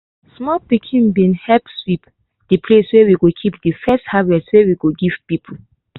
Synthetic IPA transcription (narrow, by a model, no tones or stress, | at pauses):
smɔlpikʰĩnbĩnhɛlpswip | dɨpʰleswewiɡokʰipdɨfɛsthavɛstwɛwiɡoɡiv̥pipʰu